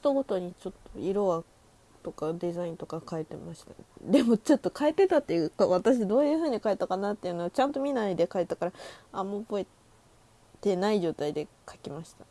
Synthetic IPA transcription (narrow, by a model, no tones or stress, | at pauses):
ç̥t̪o̞ɡo̞t̪o̞ɲ̟it͡ɕo̞t̪ːo̞iɾo̞βa | t̪o̞kad̪e̞zaĩnt̪o̞kakaet̪e̞maɕi̥t̪ḁnd̪e̞mo̞t͡ɕo̞t̪ːo̞kʰaet̪ːe̞t̪at̪ːejɯ̟kaβat̪aɕ̬id̪o̞ːjɯ̟ːɸɯ̟ːɲ̟ikaet̪ːakanat̪ːe̞jɯ̟ːnoːt͡ɕãnt̪o̞mʲinaid̪e̞kaet̪ːakaɾaamoboe | t̪e̞naiʑo̞ːt̪aid̪e̞kʰḁkʲimaɕi̥t̪ḁ